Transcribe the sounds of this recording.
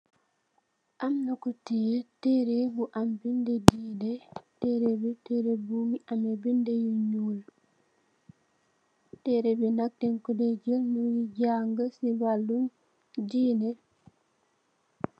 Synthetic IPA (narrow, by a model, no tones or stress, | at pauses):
ʔamnakɔtiɛtɛɾebuʔambindɛdinɛtɛɾɛbɛtɛɾebumiʔamɛbindɛjuɲul | tɛɾɛbɛnak̚tɛŋkɔdɛd͡ʒəlnujiɟaŋɡasibalːum | d͡ʒiːnɛ